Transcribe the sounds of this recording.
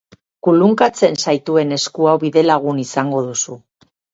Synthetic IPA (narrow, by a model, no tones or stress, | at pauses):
kuluŋkat͡se̞nsajt̪ue̞ne̞skuawβiðe̞laɣ̞unisaŋɡo̞ðusu